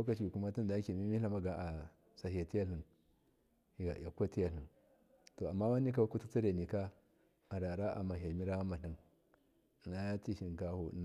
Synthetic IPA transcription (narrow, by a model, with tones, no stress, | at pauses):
a˦ka˨t͡ʃi˨ku˦ma˦ti˦n˨da˨˦ke˨mi˦mi˦a˦ma˦ɡa˨ʔa˨ | sa˨hi˨ja˨ti˦ja˦lhu˨n | hi˨ɡa̰˨ja˨kʷa˦ti˦ja˨lɬu˨n | to˨a˨mːa˦wa˦nːi˦ka˦wa˦ku˦tu˦t͡si˦ɾe˨ni˨ka˦ | a˨ɾa˨ɾa˦ʔa̰˨ma˨ɦa˨mi˦ɾa˦a˦ma˨ɬi˨n˨ | na˦jti˦ʃi˨n˨ka˦hu˨n˦